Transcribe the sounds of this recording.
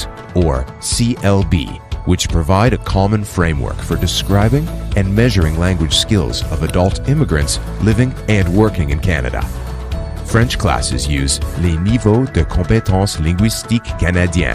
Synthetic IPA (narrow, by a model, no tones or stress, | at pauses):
ə˞ | siʔɛlˠbḭwɨt͡ʃpʰɹ̥ɨvaɪɾɨkʰɑmə̃nfɹẽɪ̃mwɜ̰˞kfə˞dɨskɹaɪbɪ̃ŋɨ̃nmɛʒə˞ɪ̃ŋlæ̃ŋɡwɨd̥ʒ̥skɪ̰lˠzʌvɨdʌlˠtɪ̃mɨɡɹɨ̰̃nts | lɪvɪ̃ŋɨ̃nwɜ˞kɪ̃ŋɨ̃nkʰæ̰nɨ̰ɾə̰ | fɹɛ̃nt͡ʃkʰl̥æ̰sɨ̰zjʉ̰zlenivoʊdɨkʰɑ̃mpetʰɑ̃slɪ̃ŋɡwɪstikːænɨdiæ̰̃n